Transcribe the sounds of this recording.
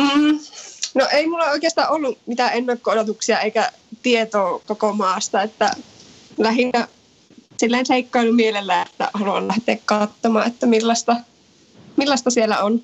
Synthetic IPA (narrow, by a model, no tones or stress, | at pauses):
m̩ː | noʔeimulːɑoikeːst̪ɑːʔolːumit̪æːenːɑkːøodot̪uksiɑeikæ | t̪iet̪oːkokomɑːst̪ɑet̪ːæ̰læɦinːæ | silːeinseikːɑinumielelːæːet̪ːæ̰hɑluɑ̰llæht̪eːkkɑt̪ːomɑ̰ːet̪ːæmilːɑst̪ɑ | milːɑst̪ɑsielːæ̰on